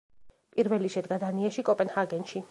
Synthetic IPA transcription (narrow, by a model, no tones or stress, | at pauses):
pʼiɾvɛliʃɛd̪ɡad̪aniaʃikʼɔpʼɛnhaɡɛnʃi